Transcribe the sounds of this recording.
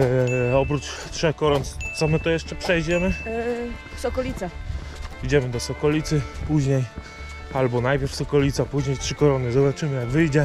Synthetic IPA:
ɔp̬ɾut͡ʂtʂɛxkɔɾɔnt̪sɔmɘt̪ɔjɛʂt͡ʂɛpʂɛjd͡ʑɛmɘ | fsɔkɔlʲit̪sa | id͡ʑɛmɘd̪ɔsɔkɔlʲit̪sɘpuʑɲej | albɔnajpʲjɛɾfsɔkɔlʲit̪sapuʑɲejtʂɘkɔɾɔnɘzɔbat͡ʂɘmɘjaɡvɘjd͡ʑɛ

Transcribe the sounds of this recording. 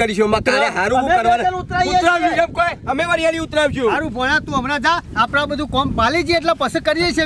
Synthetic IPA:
əɾiʃomakaɦaɾukəɾʋaalut̪ɾauet̪ɾaʋd͡ʒũkemkojəmeʋəɾijaliʊt̪ɾaʋd͡ʒũɦaɾũbʱoɽ̃ãt̪ũəmɾad̪aapnãbəd̪ʱũkɔmpalid͡ʒieʈ̬lapəsəkəɾiɾəjʃe

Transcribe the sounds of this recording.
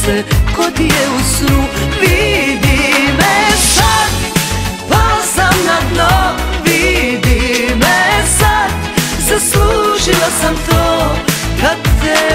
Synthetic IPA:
sɛkod̪ijɛusnuʋid̪imɛsad̪pasamnad̪no | ʋid̪imɛsad̪ | sasluʃilasamt̪oː | kaɛ

